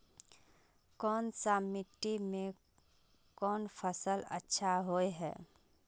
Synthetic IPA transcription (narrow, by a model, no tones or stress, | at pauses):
kɔːnsamɪʈimẽ | kɔːnpʰəsələ̰tːʃʰaɦoeɦɛ̰ː